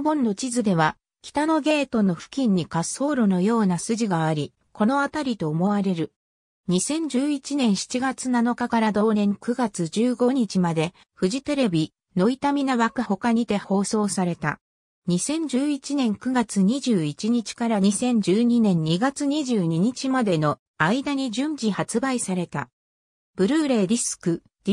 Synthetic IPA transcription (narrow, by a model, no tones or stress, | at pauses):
bõ̞nːo̞t͡ɕizɨd̪e̞β̞a | kʲi̥t̪ano̞ɡe̞ːt̪o̞no̞ɸɯ̟̥kʲĩɲ̟ːikasːo̞ːɾo̞no̞jo̞ːnasɨʑiɡaːɾʲi | ko̞no̞at̪aɾʲit̪o̞ːmo̞βaɾe̞ɾɯ̟ | ɲ̟isẽ̞ɲ̟d͡ʑɨːit͡ɕinẽ̞ɰ̃ɕi̥t͡ɕiɡat͡sɨnano̞kakaɾad̪o̞ːnẽ̞ŋkɯ̟ɡat͡sɨd͡ʑɨːɡo̞ɲ̟it͡ɕimad̪e̞ | ɸɯ̟ʑit̪e̞ɾe̞bʲi | no̞it̪amʲinaβakɯ̟ho̞kaɲ̟id̪e̞ho̞ːso̞ːsaɾe̞t̪a̰ | ɲ̟isẽ̞ɲ̟d͡ʑɨːit͡ɕinẽ̞ŋkɯ̟ɡat͡sɨɲ̟iʑɨːit͡ɕiɲ̟it͡ɕi̥kaɾaɲisẽ̞ɲ̟d͡ʑɨːɲ̟inẽ̞ɲ̟ːiɡat͡sɨɲ̟iʑɨːɲ̟iɲ̟it͡ɕimad̪e̞no̞ | aid̪aɲ̟iʑɨ̃ɲbihat͡sɨbaisaɾe̞t̪a̰ | b̥ɯ̟ɾɯːɾe̞ːd̪ʲisɨ̥kɯ̟̥